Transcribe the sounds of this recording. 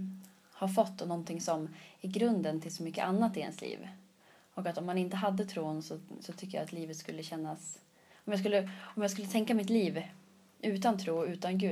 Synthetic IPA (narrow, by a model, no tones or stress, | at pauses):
haɾfɔt̪ːɔnɔnt̪ʰɪŋsɔmɪɾɡɾɵnd̪ənt̪ʰɪlsɔmʏkːə̰ʔanːat̪ːɪɛ̰nslḭːv | ɔkat̪ɔmːanɪnt̪əɦad̪ːət̪ʰɾuːnsɔsɔt̪ʰʏkːəja̰at̪liːvət̪skɵlːəɕɛnːas | ɔmjaɡskɵlːəɔmjɑːɡskɵlːət̪ʰɛŋkamɪt̪liːv | ʔʉ̟ːt̪ant̪ʰɾuːʉ̟ːt̪anɡʉ̟ː